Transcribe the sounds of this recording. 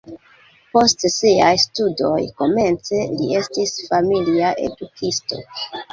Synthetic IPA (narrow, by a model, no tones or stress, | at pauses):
po̞stsiajstudo̞̰jko̞me̞nt͡se̞lie̞stisfamiliaʔe̞̰dukʰisto̞̰